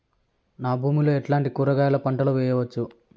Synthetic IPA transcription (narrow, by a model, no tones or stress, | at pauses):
naːbʱuːmiloːeʈlaːɳʈikuːɾɐɡaːjɐlɐpɐɳʈɐlɐʋɛːjɐʋɐt͡ʃːu